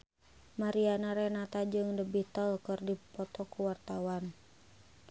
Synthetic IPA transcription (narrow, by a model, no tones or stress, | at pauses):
maɾianaɾɛnat̪ad͡ʒɨŋdəbiht̪əlkɨrdipɔt̪ɔkuwart̪awan